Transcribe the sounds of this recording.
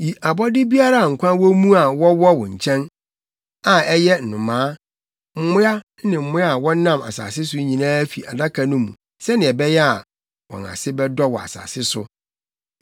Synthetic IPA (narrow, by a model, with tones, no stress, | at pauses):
ji˨a˨bɔ˦dɪ˦bi˦a˦ɾa˦˨ŋ̩˨kʷʰã˦wɔ˦mũ˦a˨wɔ˦wɔ˦wʊ̰̃˨ɲ̩˨t͡ɕʰɛ̃˦n | a˨ɛ˦jɛ˦n̩˨nʊ̃˨mãː˨˦ | m̩˦mʊ̃˦a˦ | nɪ̃˨m̩˨mʊ̃˦a˨wɔ̃˦nã˦ma̰˨sa̰ː˨sɪ˦sʊ˦ɲĩ˨nãː˦fi˨a̰˨da˦kʰa˨nʊ̃˦mṵ̃˨ | sɛ˦nɪ̃˨ɛ˨bɛ˦jɛ˦a˨ | wɔ̰̃˨na̰˨sɪ˦bɛ˦dɔ˦wɔ̰˨a̰˨sa̰ː˨sɪ˦sʊ˨